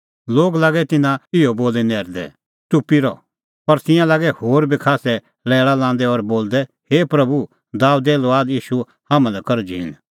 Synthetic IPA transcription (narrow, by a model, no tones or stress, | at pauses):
loːɡlaːɡɛt̪ɪnãɪoboːlɛnɛːɾd̪ɛ̰ | t͡sʊpːiɾɔ̰ | pɐɾt̪ɪ̃jãlaːɡɛhoːɾbʱikʰaːsɛ | lɛːɭalãːn̆d̪ɛɔɾboːld̪ɛ | heːpɾɐbu | d̪aːud̪ɛloaːd̪jiːʃu | haːmãlɛkɐɾd͡ʒiɪ̰n